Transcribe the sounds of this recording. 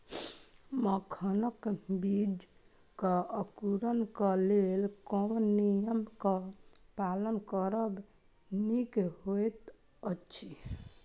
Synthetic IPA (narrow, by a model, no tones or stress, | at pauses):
məkʰənəkbid͡ʒ | kəəkuɾənkəlelkɔnijəmkəpalənkəɾəb | nikɦojt̪ | ət͡ʃʰi